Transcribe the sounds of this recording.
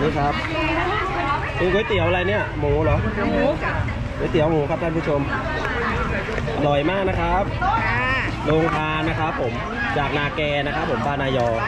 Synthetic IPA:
niː˦˥˩kʰa˦˥p̚ | ko˧ŋkuː˨˦jt̪i˨˩˦wʔa˧la˧jni˦˥˩ɐmuː˩˦lɔː˨˦ | kʰuː˩˦jt̪i˩˦wmuː˩˦kʰa˦˥pt̪ʰa˥˩npʰu˦˥t͡ɕʰo˧m | nɔ˨˩jmaː˥˩k̚na˦˥kʰɾa˦˥p̚ | loː˧ŋt̪ʰaː˧nːa˦˥kʰɾa˦˥pʰːo˩˦m | t͡ɕaː˨˩k̚naː˧kɛː˧na˦˥kʰa˦˥pʰːo˩˦mbaː˧naː˧jɔː˧

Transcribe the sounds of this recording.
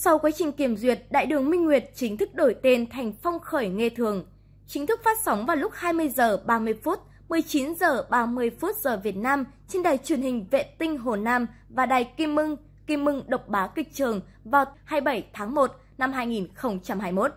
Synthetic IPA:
sa˧wkwaː˨˦t͡ɕï˨˩ŋ̟ki˧˩əmzwi˨˩ət̚ɗa̰ː˧˨jɗɨ˨˩əŋmï˧ŋ̟ŋwi˨˩ət̚t͡ɕï˨˦ŋ̟t̪ʰɨ˦˥k̚ɗo˧˩jt̪e˧nt̪ʰa˨˩jŋ̟fɔ˧wŋ͡mxəː˧˩jŋe˧t̪ʰɨ˨˩əŋ | t͡ɕï˨˦ŋ̟t̪ʰɨ˦˥k̚faː˦˥t̚sa˨˦wŋ͡mvaː˨˩wlʊ˦˥k͡p̚haː˧jmɨ˧əjzəː˨˩ɓaː˧˩mɨ˧əjfu˦˥t̚ | mɨ˨˩əjt͡ɕi˨˦nzəː˨˩ɓaː˧˩mɨ˧˩əjfu˦˥t̚z̥əː˨˩vi˨˩ət̚naː˧m | t͡ɕe˧nɗaː˨˩jt͡ɕwi˧˩ənhï˨˩ŋ̟vḛ˧˨t̪ï˧ŋ̟ɦo˨˩naː˧m | vaː˨˩ɗaː˨˩jki˧mːɨ˧ŋ | ki˧mːɨ˧ŋɗə˨˩wk͡p̚ɓaː˨˦kï˨˩k̚t͡ɕɨ˨˩əŋ | vaː˨˩whaː˧jɓə˧˩jt̪ʰaː˨˦ŋmo˨˩t̚ | na˧mɦaː˧jŋi˨˩nxə˧wŋ͡mt͡ɕa˧mɦaː˧jmo˦˥t̚

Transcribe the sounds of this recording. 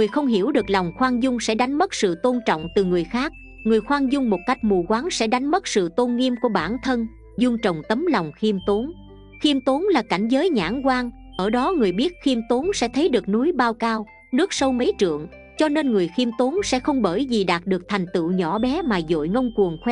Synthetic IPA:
ŋɨ˨˩əjxə˧wŋ͡mɦi˧˩əwɗɨ˨˩ək̚la˨˩wŋ͡mxwaː˧ŋzʊ˧ŋ͡msɛ̰˧˥ɗa˨˦ŋ̟mə˦˥t̚sɨ̰˧˨t̪o˧nt͡ɕɔ̰˧˨wŋ͡mt̪ɨ˨˩ŋɨ˨˩əjxaː˦˥k̚ | ŋɨ˨˩əjxwaː˧ŋzʊ˧ŋ͡mmo˨˩t̚ka˦˥jk̟̚mu˨˩kwaː˨˦ŋsɛ̰˧˥ɗa˨˦jŋ̟mə˦˥t̚sɨ̰˧˨t̪o˧nŋi˧əmku˧˩əɓaː˧˩nt̪ʰə˧n | zʊ˧ŋ͡mt͡ɕə˨˩wŋ͡mt̪ə˨˦mlɔ˨˩wŋ͡mxi˧mt̪o˨˦n | xi˧əmt̪o˨˦nlaː˨˩ka˧˩jŋ̟zəː˨˦jɲa̰ː˧˥nkwaː˧ŋ | ʔəː˧˩ɗɔ˨˦ŋɨ˨˩əjɓi˦˥ət̚xi˧əmt̪o˨˦nsɛ̰˧˥t̪ʰə˨˦jɗɨ˨˩ək̚nu˨˦jɓaː˧wkaː˧w | nɨ˦˥ək̚sə˧wmə˨˦jt͡ɕɨ̰˧˨əŋ | t͡ɕɔ˧ne˧nŋɨ˨˩əjxi˧əmt̪o˨˦nsɛ̰˧˥xə˧wŋ͡mɓəː˧˩jzi˨˩ɗaː˨˩t̚ɗɨ˨˩ək̚t̪ʰa˨˩jŋ̟t̪ɨ̰˧˨wɲɔ˧˩ɓɛ˨˦maː˨˩zo̰˧˨jŋə˧wŋ͡mku˨˩əŋxwɛ˧

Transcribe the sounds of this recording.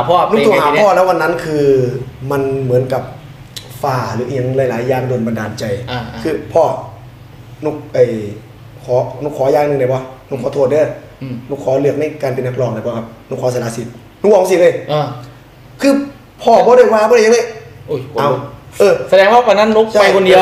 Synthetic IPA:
ɔ˧˨nu˧˥˧t̪u˧˨aː˨˦˧pʰɔː˧˨lɛː˦˥wa˧nːa˦˥˨nkʰɯː˧ma˧nmɯ˩˦ənka˧˩p̚ | faː˧˩lɯː˨˦ʔɲa˨˧˥ŋlaː˧˥jlaː˨˦jːaː˧˩ŋdoː˧nba˧ndaː˨˩nt͡ɕa˧jkʰɯː˧˩pʰɔː˧˩ | nu˧˥˩k̚ʔaː˨˩j | kʰɔː˨˦nu˧˥kʰːɔː˨˦jaː˧˨˧nɯ˧ŋda˧˩bɔ˧˦nu˧˨kʰɔː˨˦o˧˨˩t̪̚dɯ˧˩ə˨˩j | nu˧˥˩kʰːɔː˨˦lɯ˧˩ək̚na˧˩jkaː˧npe˧˨nːa˧k̚lɔː˧˩ŋda˧˩bɔː˧˩kʰa˧˩p̚nuː˧˥kʰːɔː˨˦sa˧naː˨˧˦si˨˦t̪̚ | nuː˧˥kwɔː˨˦si˧˦lɤː˧˩j | kʰɯː˧ | pʰɔː˧˩bɔː˧ɾa˧˥˩jwaː˧˥bːɾa˧˩˨a˧˦ŋa˧˩ʔu˧˩ʔa˧wʔɤː˧˩sa˧dɛː˧˦ŋɔː˧˥˩ka˧nːa˧˥˨nːu˦˥kt͡ɕa˥˧a˧˨kʰo˧ndi˧˦

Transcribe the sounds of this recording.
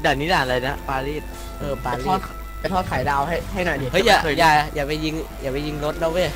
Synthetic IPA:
da˨˩niː˦˥laː˨˩˨la˧jna˦˥paː˧liː˥˩t̪̚ | ʔɤː˧˩paː˧li˦ɔː˥˩ | a˧˩t̪ʰɔ˥˩kʰaː˩˦jdaː˧wɦa˥˩jɦa˥˩jnɔː˨˩i˨˩hɤ˦˥˦jaː˨˩˧jaː˨˩jaː˨˩pa˧jːi˧ŋjaː˨˩pa˧jːi˧ŋɾo˦˥t̪̚nɔ˦˥wɯ˥˩

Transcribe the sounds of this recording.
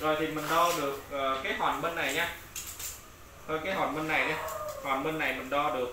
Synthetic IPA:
zɔ˨˩jt̪ʰi˨˩mï˨˩ŋ̟ɗɔ˧ɗɨ˨˩ək̚ʔəː˨˩kaː˨˦jɦwaː˨˩nmi˧n̟ːa˨˩jɲaː˧ | hə˨˧˩kaː˨˦jɦwaː˨˩nmi˧n̟ːa˨˩jɗa˨˧˦hwa̰ː˨˩nmi˧n̟ːa˨˩jmï˨˩ŋ̟ɗɔ˧ɗɨ˨˩ək̚

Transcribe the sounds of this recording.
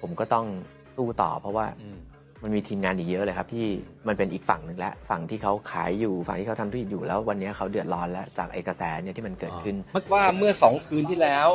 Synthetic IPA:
pʰo˩˦mkɔː˥˩t̪ɔ˥˩ŋ | suː˥˩t̪ɔ̰ː˨˩pʰɾɔ˦˥waː˥˩ | ma˧nmiː˧t̪ʰiː˧mŋaː˧nʔiː˨˩jɤ˦˥ʔlɤː˧kʰa˦˥pt̪ʰiː˥˩ | ma˧npe˧nʔiː˨˩k̚fa˨˩ŋnɯ˨˩ŋlɛ̰˦˥ʔfa˨˩ŋt̪ʰiː˥˩kʰa˦˥wkʰa̰ː˩˦jːuː˨˩fa̰˨˩ŋt̪iː˥˩a˦˥t̪ʰa˧mt̪ʰːi˨˩t̪̚juː˨˩lɛː˦˥wwa˧nːi˦˥ɐkʰa˦˥wdɯ˨˩ət̪̚lɔː˦˥nlɛ˦˥t͡ɕaː˨˩k̚ʔa̰˨˧˩jka˧sɛː˩˦ni˥˩t̪ʰiː˥˩ma˧nkɤː˨˩t̪̚kʰɯ˥˩nma˦˥k̚waː˥˩mɯ˥˩ɐsɔː˩˦ŋkʰɯː˧nt̪ʰiː˥˩lɛː˦˥w

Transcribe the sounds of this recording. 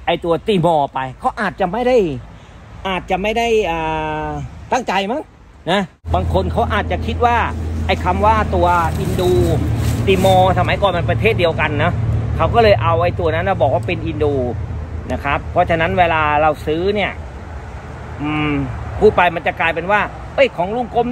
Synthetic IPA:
ʔa˧jt̪u˧ɐt̪iː˧˩mɔː˧pa˧jkʰa˦˥wʔaː˨˩t̪̚t͡ɕa˨˩ʔma˥˩jda˥˩j | ʔaː˨˩t̪̚t͡ɕa˨˩ma˥˩jda˥˩jʔaː˨˩ | t̪a˥˩ŋt͡ɕa˧jma˦˥˩ŋ | na˦˥ | baː˧ŋkʰo˧nkʰa˦˥wʔaː˨˩t̪̚t͡ɕa˨˩kʰi˦˥t̪̚waː˥˩ʔa˧˩jkʰa˧mwaː˥˩t̪u˧ɐʔi˧nduː˧t̪iː˧mɔː˧sa˧ma˨˦jkɔː˨˩nma˧npɾa˧t̪ʰeː˥˩t̪̚di˧əwka˧nːɔ˦˥kʰa˦˥wkɔː˥˩lɤː˧jʔa˧wʔa˧jt̪u˧ɐna˦˥nlaː˧˩bɔː˨˩k̚waː˥˩pe˧nʔi˧nduː˧na˦˥kʰa˦˥pʰːɔ˦˥t͡ɕʰa˧na˦˥nweː˧laː˧ɾa˧wsɯː˦˥ni˥˩ɐ | ʔɯː˧˩kʰuː˥˩pa˧jma˧nt͡ɕa˨˩klaː˧jpe˧nwaː˥˩ | ʔɤ˦˥˩jkʰɔː˩˦ŋlu˥˩˨ŋko˧˥m

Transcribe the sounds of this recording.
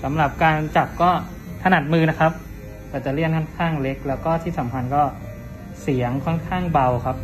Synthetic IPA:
sa˩˦mɾa˨˩p̚kaː˧nt͡ɕa˨˩p̚kɔː˥˩ | t̪ʰa˧na˨˩t̪̚mɯː˧na˦˥kʰa˦˥p̚ | t̪ɛː˧˩t͡ɕa˨˩ɾi˥˩ənkʰɔ˥˩nkʰaː˥˩ŋle˦˥k̚lɛː˦˥wkɔː˥˩t̪ʰiː˥˩sa˩˦mpʰa˧nkɔː˥˩ | si˩˦əŋkʰɔ˥˩nkʰaː˥˩ŋba˧wkʰa˦˥p̚

